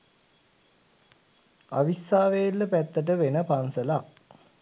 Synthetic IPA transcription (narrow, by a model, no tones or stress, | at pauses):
a̰ʋisːaːʋejlːəpæt̪ːəʈ̬əʋenəpansəla